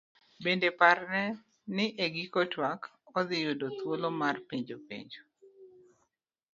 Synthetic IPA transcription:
bendeparnɛ | nɪʔeɡikotwak | ɔdɪjʊdot̪wolomarpeɲd͡ʒopḛɲd͡ʒo

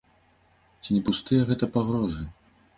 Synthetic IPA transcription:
t͡sʲinʲɛpust̪ɨjɐɣɛt̪ɐpaɣɾɔzɨ

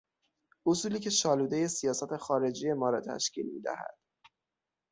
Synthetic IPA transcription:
ʔosuːliːcʰe̞ʃɒːluːd̪e̞je̞sijɒːsæt̪ʰe̞xɒːɾe̞d͡ʒije̞mɒːɾɒt̪ʰæ̰ʃcḭːlmḭːd̪æ̰hæ̰d̪̥

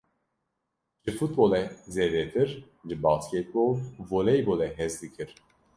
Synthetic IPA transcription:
ʒɨfut̪̚bolɛzɛdɛt̪ʰɨɾ | ʒɨbɑːskʲɛt̪̚bolvolɛjbolɛɦɛzd̪ɨkʰɨɾ

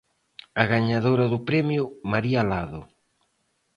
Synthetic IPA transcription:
aɣaɲaðoɾɐðʊpɾɛmjʊmaɾialaðʊ̰

